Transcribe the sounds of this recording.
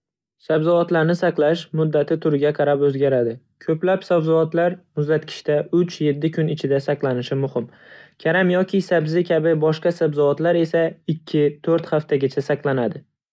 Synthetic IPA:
sabzɒvat̪laɾnɪsɑqlˠaʃmʊd̪ːat̪ʰɪt̪ʰʊɾɡʲaqʰɑɾapɵzɡʲaɾad̪ɪ | kʲʰɵplapsabzɒvat̪laɾmʊzd̪at̪kʲʰɪ̥ʃt̪aʊt͡ʃje̞t̪ːɪkʰʊnɪt͡ʃʰɪd̪asɑqlˠanɪʃɪmʊhɪm | kʲʰaɾamjɒkʲʰɪsabzɪkʲʰabɪbɒʃqɑsabzɒat̪laɾe̞saɪkʲʰːɪt̪ʰɵɾt̪haft̪ʰaɡʲat͡ʃʰasaqlˠanad̪ɪ

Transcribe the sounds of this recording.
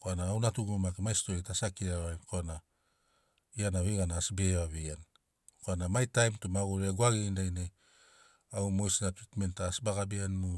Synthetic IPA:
koanaːwnatuɡumakemajstoitasakiɾaβajnkoana | ianaβeɡanaːsbeβaβean | koanamajtajmtumaɡoɾeaɡwaɡendajne | awmojsnatɾitme̞ntaːsbaɡabeanːu

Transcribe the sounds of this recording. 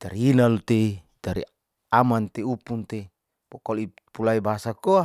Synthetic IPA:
d̪aɾinalut̪e | daɾḭ | amant̪eupunt̪e | b̥ɔkɔli | pulaibaɦasakoa

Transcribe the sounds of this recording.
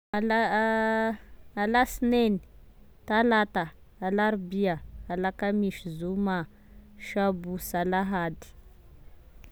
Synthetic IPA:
ala | alasneni | talataː | laɾbiaːlakamiʃzuma | ʃabusalaɦad̪i̥

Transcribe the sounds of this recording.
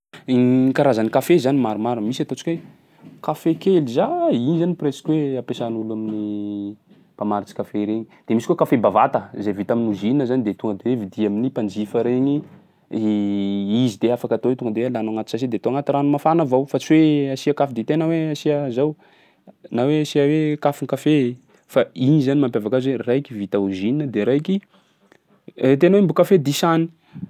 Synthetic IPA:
ikaɾazənikafezanimaɾumaɾumisat̪ot͡si̥kwe | kafekelizainizanipresi̥kʲweapesanulamini | pamaɾit͡si̥kafeɾeɲid̪̥emisikokafebavat̪əzevit̪aminuzinəzanid̪et̪uŋɡəd̪ewevid̪iaminipand͡ʒifəɾeɲi | izid̪eafakat̪owet̪uŋɡəd̪ewelanaŋat̪u̥sasid̪et̪oaŋat̪iranumafanəvawfat͡siweasiakafid̪it̪enəweasiəzaw | naweasiəwekafiŋkafe | fainizanimampjavakazwerajkivit̪auzininəd̪eɾajki | et̪enəwembukafed̪isani̥

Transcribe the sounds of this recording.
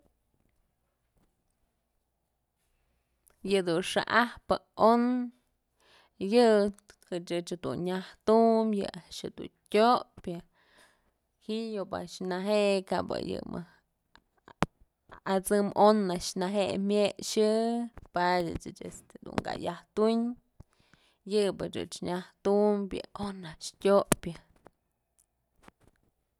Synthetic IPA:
jɨd̪unʂa̰ʔahpɨon | jɨ | hɨt͡ʃɨt͡ʃd̪ṵnɲaht̪umjɨ̰aʔʃɨd̪ṵntʲopʲa | hiʔjoba̰ʔʃnaɦeʔkabɨ̰jɨ̰mɨ | at͡sɨmonːaʔʃnaɦeʔmʲjeʔʂɨpadɨ̰t͡ʃɨt͡ʃḛst̪ed̪ṵŋɡa̰jaht̪iɲ | jɨbɨt͡ʃɨ̰t͡ʃɲaht̪umbjɨ̰onaʔʂtʲoʔpʲja

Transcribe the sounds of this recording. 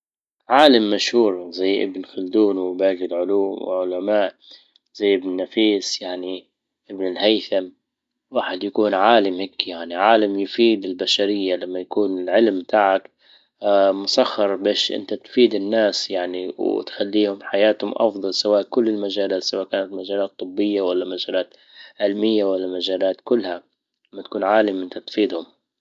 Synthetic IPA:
ʕaːlamːaʃhuːɾzajːʔɪ̰bnxʊld̪uːnwbaːɡɪlʕʊluːmw̰ʕʊlamaːʔ | z̥ajːʔɪbnnːafiːsjaʕni | ʔɪbnɪlhajθam | waːħɪd̪jakuːnʕaːlamhaːkjaʕniʕaːlamjʊfiːd̪ɪlbaʃaɾɪjːalamːajakuːnɪlʕɪlmt̪aːʕakː | mʊsaxːɑɾˤbeːʃʔɪ̰nt̪at̪fiːd̪ɪnːaːsjaʕniwt̪xalːiːhʊmħajaːt̪hʊmʔɑ̰fd̪ˤɑlsawaːʔkʊlːɪlmad͡ʒaːlaːt̪sawaːʔkaːnat̪mad͡ʒaːlaːt̪ˤːɨbːɪjːawalːamad͡ʒaːlaːt̪ | ʕɪlmɪjːawalːamad͡ʒaːlaːt̪kʊlːha | amːat̪ḁkuːnʕaːlɪmʔɪnt̪at̪fiːd̪hʊm

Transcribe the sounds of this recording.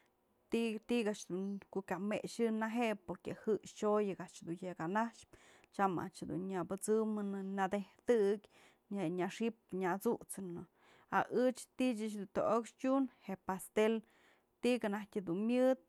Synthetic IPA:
t̪it̪iɡaʔt͡ʃd̪unkoʔkameʔʃɨnaɦeʔpoɾkehɨʃt͡ʃojɨɡaʔt͡ʃd̪unjekanaʂp̚ | t͡ʃama̰ʔt͡ʃd̪ṵnɲabɨt͡sɨmɨnɨnad̪eht̪ɨkʲ | aɲaʂip̚ɲat͡sut͡sɨnɨ | a̰ʔɨt͡ʃt̪it͡ʃɨt͡ʃd̪unt̪oʔokʃtʲunheʔpast̪el | t̪ikanahtʲɨd̪unmʲjɨd̪̚

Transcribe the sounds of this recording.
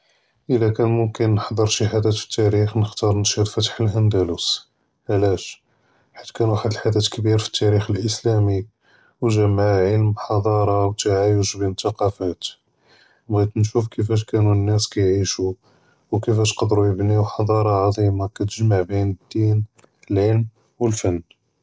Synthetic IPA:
ʔəlːækænmʊmkənːħd̪ˤəɾˤʃəɦæd̪æt̪fə̥t̪ːæɾixnəxt̪ɑɾˤnʃid̪fæt̪ħəlhænd̪ælus | ʔlæʃ | ħḁt̪ːkænwaħəd̪əlħad̪æt̪kbiɾfə̥t̪ːæɾixəlʔəslæmi | wʒəmʕaʕəlmbħɑd̪ˤɑɾˤɑwt̪aʕajəʃbint̪ːɑqɑfæt̪ | mɣæd̪nʃufkəfæʃ̬kænunːæskæjʕiʃu | wkəfæʃqɑd̪ɾujəbniwħɑd̪ˤɑɾˤɑʕɑd̪ˤimakæt̪əʒmaʕbinəd̪ːin | əlʕəlm | wəlfænː

